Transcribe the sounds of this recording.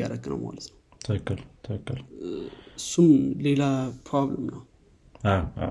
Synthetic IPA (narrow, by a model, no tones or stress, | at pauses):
a̰ɾəɡɨnə̰wmo̰lət̪ʰnəw | t̪ʰəkːəlt̪ʰəkːəl | sumlelapʰɾabləmnəw | aa̰